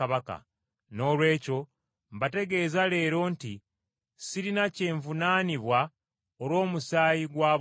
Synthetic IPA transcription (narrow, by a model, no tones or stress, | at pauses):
aβaka̰ | no̞ːlwe̞ːco̞ | mbate̞ɡe̞ːzale̞ːɾo̞nti | siɾinace̞ːɱvunaːniβwa | olwo̞ːmusaːjiɡwaːβ